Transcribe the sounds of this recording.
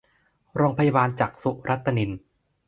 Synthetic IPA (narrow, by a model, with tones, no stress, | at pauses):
ɾoː˧ŋpʰa˧ja˧baː˧nt͡ɕaː˨˩k̚su˦˥ʔɾʔa˦˥t̪ʰːa˧ni˧n